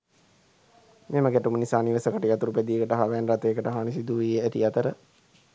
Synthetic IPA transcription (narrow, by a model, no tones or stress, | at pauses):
meməɡæʈumənisaːniʋəsəkəʈəjat̪uɾuped̪ijəkəʈəɦaʋænrat̪ejəkəʈəɦanisid̪uʋijəæt̪iat̪əɾə